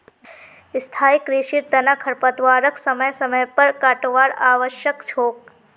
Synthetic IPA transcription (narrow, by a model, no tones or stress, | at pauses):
ɪst̪ʰaːikɾiʃiɾd̪ɐnakʰɐɾpət̪ʋaːɾəksɐməjsɐməjpɐɾkaʈʋaːɾaːʋəʃjəkt͡ʃʰoːk